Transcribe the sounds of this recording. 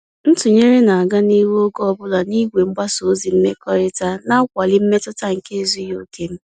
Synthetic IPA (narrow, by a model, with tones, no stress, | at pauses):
n̩˦tʊ˨ɲe˦ɾe˦na˨a˨ɡa˦ni˦wo˦ɡɔ˦ɔ˦˨bʊ˦la˨ni˦ɡʷe˨ŋ͡m̩˦ɡ͡ba˦so˨˦zi˨m̩˦me˦kɔ˦ɾɪ˦ta˦na˦kʷa˨li˦m̩˦me˦tʊ˦ta˦ŋ̩˨ke˦zu˦jo˨kʰe˦m̩˦